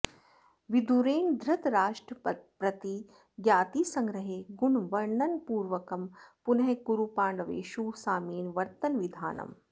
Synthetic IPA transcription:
ʋid̪uɾeːnd̪ʱɾɐt̪ɾaːʂʈɾɐpɾɐt̪i | ɡjaːt̪iːsɐŋɡɾɐɦeːɡunʋɐɾɳɐnpuːɾʋɐkɐmpunɐɦekuɾupaːɳɖɐʋḛːʃuːsaːmiːnʋɐɾt̪ɐnʋid̪ʱaːnɐ̰m

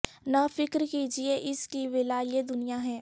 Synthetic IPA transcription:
nafɪkɾkiːd͡ʒieʔɪskiʋɪlajed̪ʊnijaɦɛ̃ː

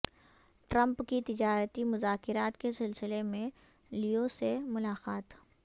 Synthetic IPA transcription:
ʈɾə̃mpkit̪ɪd͡ʒaːɾət̪imʊzaːkɪɾaːt̪kesɪlsɪlemẽ | liosemʊlaːqaːt̪

